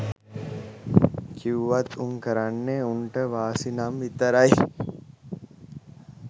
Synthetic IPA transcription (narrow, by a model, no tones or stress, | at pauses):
kʰiʋat̪uŋkəɾanːeuɳʈəʋaːsinamʋit̪əɾaj